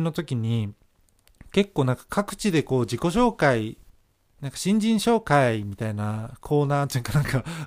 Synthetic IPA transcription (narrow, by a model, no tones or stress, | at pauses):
no̞t̪o̞kʲiɲ̟i | ke̞kːoːnãŋkḁkʰakɯ̟̥t͡ɕid̪e̞ko̞ːd͡ʑiko̞ɕ̬o̞ːkai | nãŋkḁɕĩɲ̟d͡ʑĩɰ̃ɕo̞ːkaimʲit̪ainakʰo̞ːnaːt̪ojɯŋkanãŋka